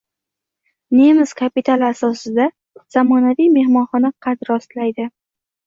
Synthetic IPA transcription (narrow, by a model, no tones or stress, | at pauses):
nemɪskʰapit̪ʰalˠasɒsɪd̪a | z̥amɒnavijme̞hmɒnχɒnaqʰɑt̪ɾɒst̪lajd̪ɪ